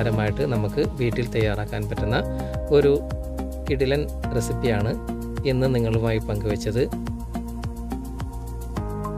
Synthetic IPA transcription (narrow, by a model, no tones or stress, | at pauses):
ɾɐmaːjiʈːɨnɐmukːɨbiːʈːilt̪ɐjːaːraːkːaːnpɐtːunːɐ | o̞ɾu | kiɽilɐn | resipːijaːɳɨ | e̞nːɨniŋːɐɭumaːjipɐŋɡuʋɐt͡ɕːɐðɨ